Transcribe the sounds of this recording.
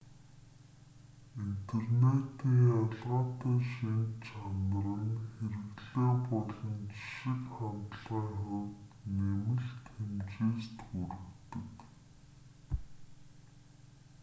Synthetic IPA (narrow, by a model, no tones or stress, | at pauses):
int̪ʰernet̪iːŋaɮʁaːt̪aːʃint͡ɕʰanə̆ɾə̆nxeɾɘ̆ɣɮeːpɔɮɞ̆nt͡ɕi̥ʃɪ̆kχamt̪ə̆ɮʁaːŋχʊwt̪nemɘ̆ɮt̪ʰxemt͡ɕeːst̪xuɾɘ̆kt̪ə̆k